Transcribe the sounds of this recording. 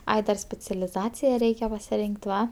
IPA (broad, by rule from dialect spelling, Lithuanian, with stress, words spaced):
ˈɐɪ dɐr sʲpʲɛt͡sʲɛlʲɪˈzɑːt͡sʲɪjɛ ˈrʲɛɪkʲɛ pɐsʲɪˈrʲɪŋʲkʲtʲ ˈʋɐ